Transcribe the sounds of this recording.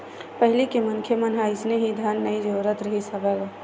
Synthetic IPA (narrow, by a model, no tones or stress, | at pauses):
pəɦɪlikemənkʰjemənɦaɪsneɦid̪ʱanːəid͡ʒəːɾət̪ɾəɦisəbɛɡa